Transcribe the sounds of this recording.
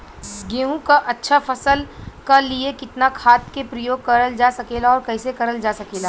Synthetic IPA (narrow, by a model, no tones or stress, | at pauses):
ɡeːɦũkaʔɐtːʃʰafʰɐsəlkaliekɪt̪nakʰaːt̪̚kepɾɐjoːɡ̚kɐɾəld͡ʒaːsɐkeːlaɔːɾkɐːsekɐɾəld͡ʒaːsɐkeːlaː